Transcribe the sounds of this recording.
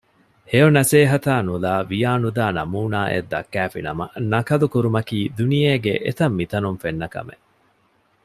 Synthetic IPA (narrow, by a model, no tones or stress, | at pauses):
heonɐseːɦɐt̪aːnulaːʋijaːnud̪aːnɐmuːnaːʔḛd̪ːɐ̰kːæːfinɐmɐ̰nɐkɐlukuɾumɐkiːd̪unijeːɡḛʔḛt̪ɐmːit̪ɐnunfenːɐkɐ̰mḛ